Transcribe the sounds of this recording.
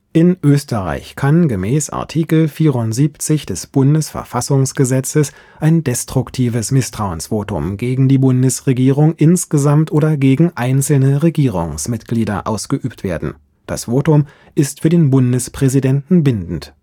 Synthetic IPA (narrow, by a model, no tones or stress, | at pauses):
ʔɪnʔøːstəʁa̰ɪçkʰanɡəmɛːsʔa̰ɐtʰiːkl̩fiːʁʊntz̥iːpt͡sɪçd̥ɛsb̥ʊndəsfɛ̰ɐfasʊŋsɡ̥əzɛt͡səs | ʔaɪndɛstʁ̥ʊktʰiːvəsmɪstʁ̥aʊənsv̥oːtʊ̰mɡeːɡŋ̩diːbʊndəsʁeɡiːʁʊŋʔɪnsɡ̥əzamtʔoːdɐɡeːɡŋ̩ʔaɪnt͡sl̩nəʁeɡiːʁ̞ʊ̰ŋsmɪtɡ̥liːdɐ̰ʔa̰ʊsɡ̥əʔyːptv̥eːɐdn̩ | d̥a̰sv̥oːtʊm | ʔɪstfyːɐdeːnbʊndəspʁ̥ɛzidɛntn̩bɪndn̩t